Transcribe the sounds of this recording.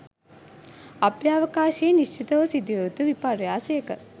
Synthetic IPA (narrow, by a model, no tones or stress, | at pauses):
ɐpjaːʋɐkaːʃieːniʃt͡ʃit̪ɐʋɐsid̪iʋɐɾut̪uʋipaɾijaːsɐjɐkə